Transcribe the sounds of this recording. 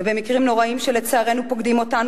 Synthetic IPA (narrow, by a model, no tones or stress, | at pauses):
bemikʁimno̞ʁaimʃelet͡saːʁenupo̞ɡd̪imo̞tan